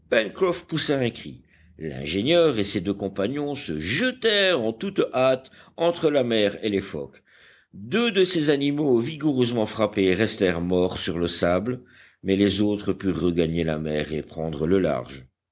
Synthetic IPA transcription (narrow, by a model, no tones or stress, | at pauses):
pɛnkχɔfpusaɛ̃kχḭ | lɛ̰̃ʒeɲjœʁesed̪økɔ̃paɲɔ̃səʒət̪ɛʁɑ̃t̪ut̪at̪ɑ̃t̪χəlamɛʁelefɔ̰k | d̪ød̪əsezanimoviɡuʁøzmɑ̃fχapeʁɛst̪ɛʁmɔʁsyʁləsablə | mɛlɛzot̪χəpyʁːəɡaɲela̰mɛːʁepχɑ̃d̪ʁələla̰ʁʒ